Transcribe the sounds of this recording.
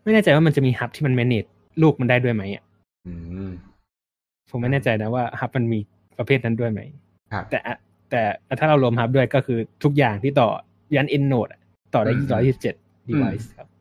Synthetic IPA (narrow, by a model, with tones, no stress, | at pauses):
ma˥˩jnɛː˥˩t͡ɕa˧jwaː˥˩ma˧nt͡ɕa˨˩miː˧ha˦˥p̚t̪ʰiː˥˩a˧nmɛ˦˥neː˨˩t̪̚ | luː˥˩k̚ma˧ndaː˥˩jdu˥˩əjma˦˥jʔa̰˨˩ʔ | ɯː˧ | pʰo˩˦ma˥˩jnɛː˥˩t͡ɕa˧jna˦˥waː˥˩ha˦˥p̚ma˧nmiː˧ | pɾa˧pʰeː˥˩t̪̚na˦˥du˥˩əjma̰˦˥j | t̪ɛː˨˩ʔa˨˩ | t̪ɛː˨˩t̪ʰaː˥˩ɾa˧wlo˧mha˦˥p̚du˥˩əjkɔː˥˩kʰɯː˧t̪ʰu˦˥k̚jaː˨˩ŋt̪ʰiː˥˩t̪̬ɔː˨˩ | jaː˦˥nʔe˧nːoː˨˩t̪̚ʔa˨˩ | t̪ɔː˨˩daː˥˩jʔiː˩ɾɔː˦˥jiː˥sp̚t͡ɕe˨˩t̪̚ | diː˧wa˦˥jskʰa˦˥p̚